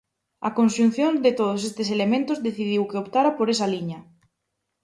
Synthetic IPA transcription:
ɐ̰konʃun̟θjond̪et̪oð̞os̬est̪eselemẽnt̪ozðeθið̞iwkeopt̪aɾapoɾesaliɲɐ

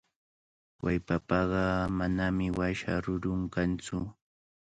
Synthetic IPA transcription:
wajpapɑɢɑmanamɪwaʃa̰ɾʊɾʊŋkant͡sʊ

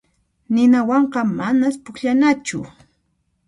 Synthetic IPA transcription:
nɪnawɑɴqɑmanaspʊkʎanat͡ʃʊ̰

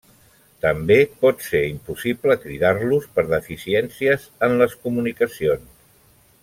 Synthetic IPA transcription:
t̪əmbepɔt̪seɾimpusipləkɾiðaɾluspəɾðəfisiɛnsiəzənləskumunikəsions

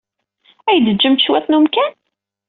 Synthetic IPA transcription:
æjd̪əd͡ʒːəmʃwæθnumkæn

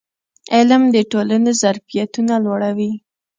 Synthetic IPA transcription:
ɪlamd̪əʈolanezaɾfijat̪unalwaɽawi

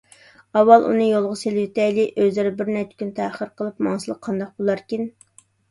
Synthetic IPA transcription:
ɑwːɑlˠʔṵnɨjolˠʁʊselwɪt̪ʰɛjlɪʔøzɪɾɪbɪɾnɛt͡ʃʰːɪ̥kʲynt̪ʰæχəɾqʰəlˠɨpmɑŋsɨlˠəqʰːɑnd̪ɑq̚bolˠɑɾkʲin

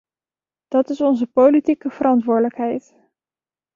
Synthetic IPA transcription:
d̥ɑtɪsɔnzəpowlitikəv̥əɾɑntʋʊːɹdələkɦɛjt

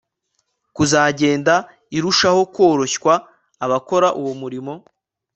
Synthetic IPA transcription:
kuzaːɟe̞ːnda | iɾuʃaho̞kwo̞ːɾo̞çkwaː | βako̞ɾaʔuwomuɾimo̞

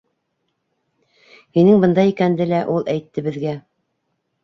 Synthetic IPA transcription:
hinɘŋbɤ̆nd̪ɑikænd̪ɘlæʔulˠæjt̪ːɘ̆bɘ̆ðɡæ

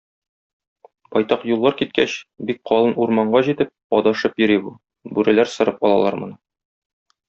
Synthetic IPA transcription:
bɒjt̪ɑqjulˠːɑɾkit̪̚kæɕbik̚qʰɒlˠɤnuɾmɑɴɢɑʑit̪ɘp̚ɒd̪ɑʃɤpjɵ̆ɾibu | bʉɾælæɾsɤ̆ɾɤpɒlˠɑlˠɑɾmɤ̆nɤ

